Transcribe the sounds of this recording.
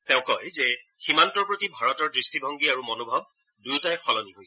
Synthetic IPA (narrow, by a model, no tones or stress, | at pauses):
tɛʊ̃kɔjzɛ | ximantɔɹpɹotibʱaɹɔtɔɹdɹistibʱɔŋɡiaɹumɔnobʱɔb̚ | dujtajxɔlɔniɦojs